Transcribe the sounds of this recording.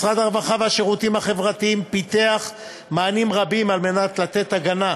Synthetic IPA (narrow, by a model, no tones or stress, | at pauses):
sʁad̪aʁvaχaveaʃeʁut̪imhaχe̞vʁat̪iimpit̪eaχ | maːnimʁabimalme̞nat̪lat̪e̞t̪aɡana